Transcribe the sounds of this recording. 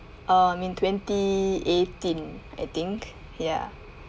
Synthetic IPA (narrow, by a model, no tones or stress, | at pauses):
ʔãmĩntʰwɛ̃ntietĩna̰jt̪ĩŋk | ja̰